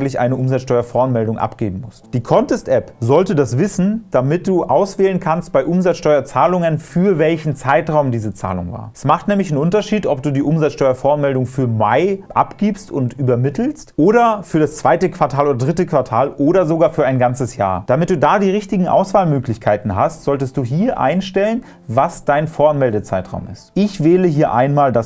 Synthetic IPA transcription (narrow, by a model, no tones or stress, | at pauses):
ŋ̩tlɪçʔa̰ɪnəʔʊmzat͡sʃtɔʏɐfɔɐnmɛldʊŋʔa̰pɡ̥ḛːbm̩mʊstd̥iːkʰɔntɛstʔɛpzɔltədasv̥ɪsn̩d̥amɪt̚d̥uːʔaʊsv̥ɛːlənkʰanst̚b̥aɪʔʊmzat͡sʃtɔʏɐt͡saːlʊŋənfyːɐvɛlçn̩t͡saɪtʁaʊmdiːzət͡sa̰ːlʊ̰ŋva̰ːɐʔɛsmaχtnɛːmlɪçn̩ʔʊntɐʃiːtɔp̚d̥uːdiːʔʊmzat͡sʃtɔʏɐfɔːɐnmɛldʊŋfyːɐmaɪʔa̰pɡ̥iːpstʊ̰ntyːbɐmɪtl̩stʔoːɾɐfyːɐɾast͡sv̥aɪtəkv̥aɐtʰaːloːdɐdʁɪtəkv̥aɐtʰaːlʔoːɾɐzoɡaːfyːɐʔaɪnɡant͡səsja̰ːɐd̥amɪt̚d̥uːdaːdiːʁɪçtɪɡŋ̩ʔa̰ʊsv̥aːlmøːklɪçkʰaɪtn̩ɦastz̥ɔltəstd̥uːɦiːɐʔa̰ɪnʃtɛlən | vasd̥aɪnfoːɐanmɛldət͡sa̰ɪtʁ̥a̰ʊmɪ̰stʔɪçvɛːləɦiːɐʔa̰ɪnmaːldas